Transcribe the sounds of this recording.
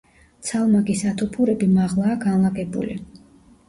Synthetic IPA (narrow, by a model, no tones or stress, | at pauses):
t̪sʰalˠmaɡisat̪ʰupʰuɾɛbimaʁlˠaːɡanlˠaɡɛbṵlḭ